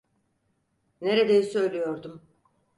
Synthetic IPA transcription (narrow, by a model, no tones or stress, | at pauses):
ne̞ɾed̪ejisø̞jlʲijo̞ɾd̪um